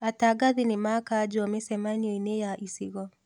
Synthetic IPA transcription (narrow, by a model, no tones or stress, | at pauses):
ataɡaðinɪmakad͡ʒɔamɛsɛmaniɔinejaʔisiɣɔ